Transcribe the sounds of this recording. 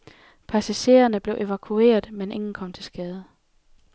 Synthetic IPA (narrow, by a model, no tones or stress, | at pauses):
pʰæsæɕe̝̰ːɐnəb̥le̝ʊʔe̝ʋækʰue̝̰ːɐðˠmenʔe̝ŋn̩kʰɒ̽m̰t͡sʰe̝lsɡ̥ɛːð̞ˠə